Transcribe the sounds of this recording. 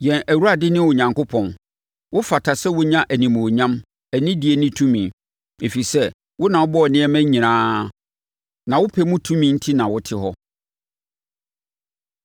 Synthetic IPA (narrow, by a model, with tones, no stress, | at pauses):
jɛ̃˨næ˨wu˦a˨dɪ˦nɪ̃˦wʊ˨ɲã˨ŋkʊ˦pʰɔ̃˨n | wʊ˦fa˨tʰa˨sɛ˦wʊ˦ɲã˦ʔæ˨nĩ˨mũ˨ɲã˦m | æ˨nĩ˦di˨e˨nɪ̃˦tʰũ˦mĩ˨ | e˨fi˨sɛ˦ | wʊ˦nã˨wʊ˦bɔ˦˨nɪ̃˦ɛ˦mæ̃˦ɲĩ˨nãː˦ | nã˨wʊ˦pʰɛ˨mũ˦tʰũ˦mĩ˨n̩˦tʰi˦nã˨wʊ˦tʰɪ˦ɦɔ˦